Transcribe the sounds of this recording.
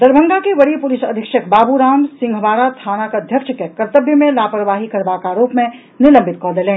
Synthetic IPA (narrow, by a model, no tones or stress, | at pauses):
d̪ɐɾbʱə̃ŋɡakeʋɐɽipʊlɪsɐd̪ʱɪkʃəkbaːbuɾaːmsɪ̃ŋɡʱʋaːɾat̪ʰaːnakɐd̪ʱjəkʃəkekɐɾt̪əbjəmẽlaːpɾəʋaːɦikɐɾʋakaːɾoːpmẽ | nɪlə̃mbʱɪt̪kɔːd̪elẽː